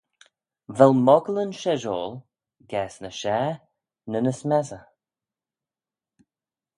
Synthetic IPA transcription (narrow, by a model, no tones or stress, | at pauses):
vɛlmɔɡələnʃɛʒɔːlˠ | ɡɛːsnəʃɛː | nənəsmɛzə